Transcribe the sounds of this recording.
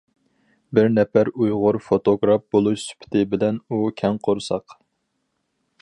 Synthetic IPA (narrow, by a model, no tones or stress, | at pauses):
bɪɾnɛpæɾujʁʊɾfot̪oɡɾɑfbolˠuʃsy̥pʰt̪ʰɪbɪlɛnukʲʰɛŋqʰoɾsɑq